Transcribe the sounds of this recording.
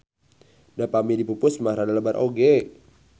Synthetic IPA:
dapamidipupʊsmaɾadaləbaɾʔoɡe

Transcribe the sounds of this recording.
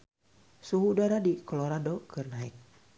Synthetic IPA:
suɦudaɾadikoloɾadokɨrnaɪk̚

